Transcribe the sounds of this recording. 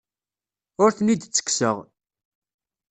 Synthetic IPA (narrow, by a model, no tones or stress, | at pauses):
ʊɾθnid̪t͡sːə̥ksəʁ